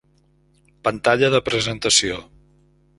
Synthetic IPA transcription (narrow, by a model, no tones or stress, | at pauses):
pənt̪aʎəðəpɾəzənt̪əsio